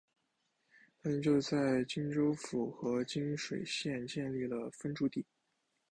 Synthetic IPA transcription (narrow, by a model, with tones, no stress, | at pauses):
t̪ʰa˥mə˧˥nt͡ɕjo˥˧ʊt͡sa˥˩ɪt͡ɕi˥ŋʈ͡ʂo˥ʊfu˨˩xɤ˧˥t͡ɕi˥nʂwe˨˩ɪɕjɛ˥˧nt͡ɕjɛ˥˧nli˥˩lə˩fə˥nʈ͡ʂu˧˥t̪i˥˩˦